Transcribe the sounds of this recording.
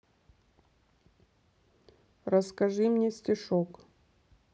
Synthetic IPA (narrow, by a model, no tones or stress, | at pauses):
rəskɐʐɨmnʲesʲtʲɪʂok